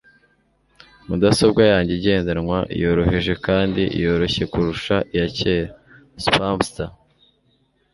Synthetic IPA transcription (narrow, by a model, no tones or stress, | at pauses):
mudasob̚ɡwajaːɲɟeɟe̞ːndanŋwaʔḭjo̞ɾo̞ɦeʒe̞kaːndiʔḭjo̞ɾo̞çe̞kuɾuʃaʔijace̞ːɾa | spamsta